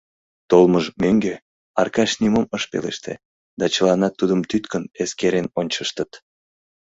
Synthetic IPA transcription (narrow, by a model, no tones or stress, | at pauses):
t̪olməʒmøŋɡe | ɑrkɑʃnimoməʃpḛlḛʃt̪ḛ | d̪ɑt͡ɕəlɑnɑt̪ːud̪əmt̪yt̪kəneskeɾenonʲt͡ɕəʃt̪ət̪